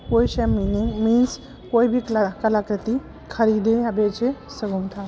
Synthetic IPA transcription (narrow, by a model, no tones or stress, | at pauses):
kojɕaminiŋɡmins | kojbʱiːklakəlakɾət̪i | kʰəɾid̪ejabet͡ɕesəɡunt̪ʰa